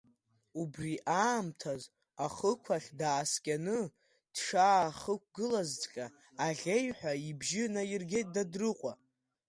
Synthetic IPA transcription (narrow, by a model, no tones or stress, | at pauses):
ubriʔaːmtʰaz | aχəkʷʰaχʲdaːskʲʼanɨ | d̥ʂaːχək̚ʷʼɡɨlazt͡sʼqʲʼa | aʁʲe̞jħʷᶣaibʒɪnairɡʲe̞jt̚ʼdadrɨqʷʼa